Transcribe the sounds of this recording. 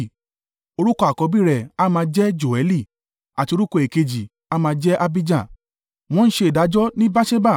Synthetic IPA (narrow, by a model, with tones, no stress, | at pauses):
o˧ɾu˦kɔ˧a˨kɔ˧bi˦ɾɛ˨a˦mãː˧d͡ʒɛ˦d͡ʒo˨ɛ˨˦li˦˨ | a˨ti˧o˧ɾu˦kɔ˧˨e˨ke˧d͡ʒi˨ | a˦mãː˧d͡ʒɛ˦ʔa˦bi˦d͡ʒã˦˨ | w̃ɔ̃˦n̩˦ʃe˧˦˨da˨˦d͡ʒɔ˦nĩ˦ba˦ʃe˦ba˦˨